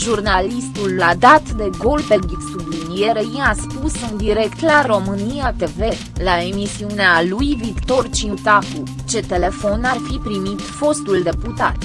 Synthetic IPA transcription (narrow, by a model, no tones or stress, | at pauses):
ʒurnalist̪ulːad̪at̪d̪e̞ɡo̞lped̪ik̪sublinije̞ɾeiaspusɨnd̪iɾe̞kt̪laɾo̞mɨnijat̪e̞ve̞ | lae̞misiunealujvikt̪o̞rt͡ʃiut̪axu | t͡ʃe̞t̪e̞le̞fo̞narfipɾimit̪fo̞st̪uld̪e̞put̪a̰t̪